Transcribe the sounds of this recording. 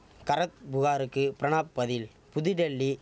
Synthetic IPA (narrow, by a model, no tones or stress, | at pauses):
kɐɾɐt̪̚bʊɣaːɾɯkːɯpɪɾɐɳaːpːɐðɪl | pʊðɪɖɛɭːi